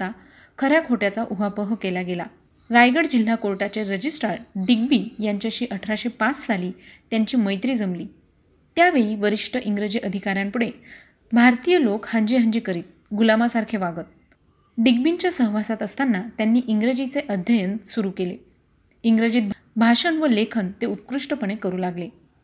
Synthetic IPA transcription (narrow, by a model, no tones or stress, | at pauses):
t̪a | kʰəɾjakʰoʈjat͡saʔuɦapəɦəkelaɡela̰ | ɾajɡəɽd͡ʑil̤ːakoɾʈat͡ɕeɾəd͡ʑisʈaɾɖiɡ̚biːjaɲt͡ɕjaɕiːʔəʈʰɾaɕepat͡ssaliːt̪jaɲt͡ɕiːməjt̪ɾiːd͡zəmliː | t̪jaʋeɭiːʋəɾiʂʈʰəʔiŋɡɾəd͡ʑiːʔəd̪ʱikaɾjampuɽe | bʱaɾt̪ijəlokhãɲd͡ʑiɦəɲd͡ʑiːkəɾiːt̪̚ | ɡulamasaɾkʰeʋaɡət̪̚ | ɖiɡ̚biɲt͡ɕjasəɦʋasat̪əst̪anːat̪janːiːʔiŋɡɾəd͡ʑit͡seʔəd̪ʱjəjənsuɾuːkelḛ | iŋɡɾəd͡ʑiːt̪̚ | bʱaʂənʋəlekʰənt̪eut̪̚kɾuʂʈəpəɳ̃ekəɾuːlaɡle